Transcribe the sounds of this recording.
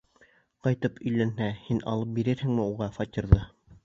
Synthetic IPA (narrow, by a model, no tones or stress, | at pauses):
qɑjt̪ɤpɵ̆jlænhæhinʔɑ̰lˠɤp̚biɾɘɾhɘ̆ŋmɘuʁɑfɑt̪ʲiɾðɤ